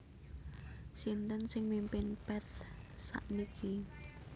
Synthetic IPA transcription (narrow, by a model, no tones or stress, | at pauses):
sint̪ənsɪŋmimpɪnpɛt̪sa̰ʔnikʰi